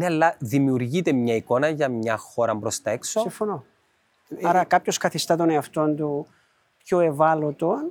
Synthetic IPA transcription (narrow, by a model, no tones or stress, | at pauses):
neɐlːɐðimiuɾʝit̪e̞mɲɐiko̞nɐʝɐmɲɐxo̞ɾɐmbɾo̞st̪ɐe̞ksosifono | ɐɾɐkɐpço̞skɐθist̪ɐt̪oneɐft̪o̞nt̪u | pçoe̞vɐlot̪on